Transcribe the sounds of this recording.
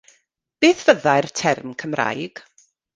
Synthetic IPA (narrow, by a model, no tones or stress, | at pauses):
b̥eːθv̥əðajrtʰɛrmkʰəmra̰jɡ̥